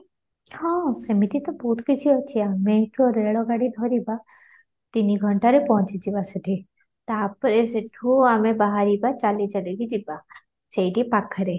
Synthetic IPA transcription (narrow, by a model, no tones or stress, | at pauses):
hãsɐmit̪it̪ɔbuːt̪ʰkit͡ʃʰiot͡ʃʰiamẽt̪ʰuɾeːɭoɡaːɽid̪ʱɔːɾiba | t̪iniɡʱəɳʈaɾepɔɔ̃t͡ʃid͡ʒibasɐʈʰi | t̪aːpːəɾeseʈʰuamẽbaɦaɾibat͡ʃaːlit͡ʃɐleɡid͡ʒiba | t͡ʃɐiʈipakʰːəɾe